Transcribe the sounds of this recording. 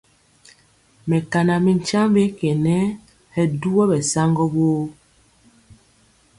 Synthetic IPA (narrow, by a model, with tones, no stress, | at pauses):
mɛ˨ka˨na˨mi˨n˦t͡ʃa˦mbe˦kɛ˨nɛ˦ | hɛ˦du˦ɔ˦bɛ˨sa˦ŋɡɔ˦boː˦